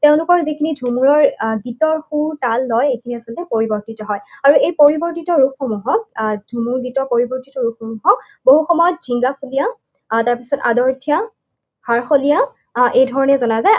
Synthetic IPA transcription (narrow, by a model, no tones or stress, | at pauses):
teʊ̃lʊkɔɹzikʰinidʱumuɹɔɹɡitɔɹxuɹtalːɔjejkʰiniasɔltɛpoɹibɔɹtitɔɦɔjaɹuejpoɹibɔɹtitɔɹukxomuɦɔk̚dʱumuɹɡitɔpoɹibɔɹtitɔɹukxomuɦɔk̚ | boɦuxɔmɔjɔt̚zʱiŋɡakulija | taɹpisɔta̰dɔɹtʰija | haɹxolija | ʔejdʱɔɹɔnɛzɔnazaj